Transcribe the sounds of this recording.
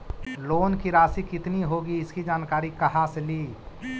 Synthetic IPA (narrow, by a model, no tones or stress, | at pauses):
loːnkiɾaːsikɪt̪niɦoɡiɪskid͡ʒaːnkaːɾikɐɦaːsliː